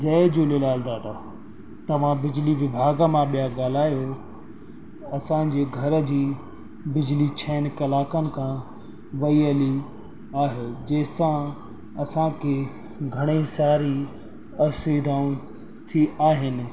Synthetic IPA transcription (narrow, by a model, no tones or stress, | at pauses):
d͡ʑɐɪd͡ʑolelaːld̪aːʈa | t̪ɐʋ̤ãbɪd͡ʑliʋɪbʱaːɡmãɓijaɡaːl̤aːjo | ɐsãd͡ʑeːɡʱɐɾəd͡ʑiː | bɪd͡ʑlit͡ɕʰɛːnkɐlaːkənɪ̆kʰã | ʋɐiəli | aːɦeːd͡ʑɐːɪsã | ɐsãkʰe | ɡʱɐɽ̃isaːɾi | ɐɾsid̪ʱaːũ | t̪ʰiaːɦɪnɪ̆